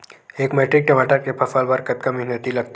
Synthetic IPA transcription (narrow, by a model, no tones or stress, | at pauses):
eːkmeːʈɾɪk̚ʈemaːʈəɾkepʰɐfaːlʋəɾkɐt̪̚kəmɪɦnət̪ilɐɡ̚t̪